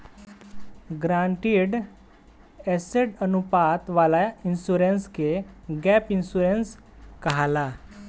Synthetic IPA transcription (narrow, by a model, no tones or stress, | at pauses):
ɡɾãɳʈiɖ | ɛseɖənupat̪ʋalainsuɾenskeɡɛpinsuɾens | kəɦala